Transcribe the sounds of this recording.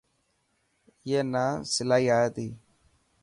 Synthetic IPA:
jeːnaːsɪlaːiːaːjət̪iː

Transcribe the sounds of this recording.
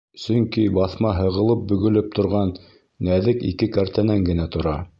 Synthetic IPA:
sɵ̆ŋkibɑθmɑɦɤ̆ʁɤ̆lˠɤp̚bɵ̆ɡɵ̆lɘp̚t̪ŏɾʁɑnː | æðɘkḭkɘkæɾt̪ænæŋɡɘ̆næt̪ŏɾɑ

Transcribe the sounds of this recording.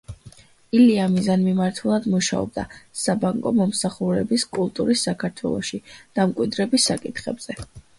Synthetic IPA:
iliamizanmimaɾt̪ʰulˠad̪muʃa̰ɔ̰b̚d̪a̰sabaŋkʼɔmɔmsaχuɾɛbiskʼulˠt̪ʼuɾisːakʰaɾt̪ʰwɛ̰lˠɔʃid̪̥amkʼwid̪ɾɛbisːakʼit̪ʰχɛ̰bz̥ɛ

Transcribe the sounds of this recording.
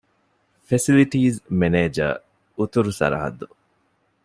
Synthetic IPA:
fesiliʈiːzmeneːd͡ʒɐ̰ | ut̪uɾusɐ̰ɾɐ̰ɦɐ̰d̪ːu

